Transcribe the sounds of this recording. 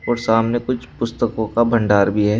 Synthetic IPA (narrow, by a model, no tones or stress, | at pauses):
ɔːɾsaːmnekʊt͡ʃʰpʊst̪əkõkabʱɐ̃ɳɖaːɾbʱiɦɛː